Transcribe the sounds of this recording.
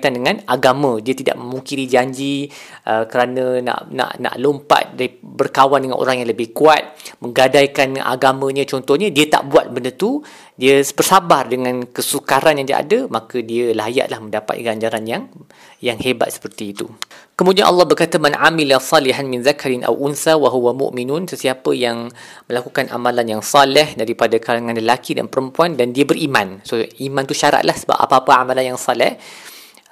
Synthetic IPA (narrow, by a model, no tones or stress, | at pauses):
t̪andəŋãnaɡamãdiət̪ida̰ʔ̚məmuŋkiɾid͡ʒaɲd͡ʒiʔəkəɾanãna̰ʔna̰ʔna̰ʔlompa̰t̪̚daɾibərkawandəŋa̰nʔo̰ɾaŋjaŋləbɪhkuat̪̚mə̃ŋɡadajkana̰ɡamãɲãt͡ʃɔnt̪ɔhɲadiət̪a̰ʔbuat̪̚bəndət̪u | diəb̥ərsabardəŋãnkəsukaɾanjaŋdia̰a̰dəmakədiəlaja̰ʔlahmə̃ndapa̰t̪̚ɡaɲd͡ʒaɾanjaŋ | jaŋheba̰t̪̚sə̥pərt̪iːt̪ṵkəmudianʔɑ̰lːɑhbərkat̪amanʕamilasˤɑliɦanmɪ̃nzakaɾɪnʔa̰wʔunsawaɦuwamʊ̰ʔminʊnsəsiapəjaŋmə̃lakukana̰mãlanjaŋsɑlɛhdaɾipadakalaŋãnləlakida̰npəɾəmpuandandiəbərʔimãnsoʔimãnt̪uʃaɾa̰ʔ̪̚lʔahsəba̰pʔa̰paapaamalanjaŋsɑlɛ̰h